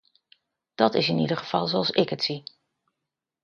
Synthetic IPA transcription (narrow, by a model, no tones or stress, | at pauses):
d̥ɑtɪsɪnḭdəχəv̥ɑlˠzoɑlˠsɪkətsi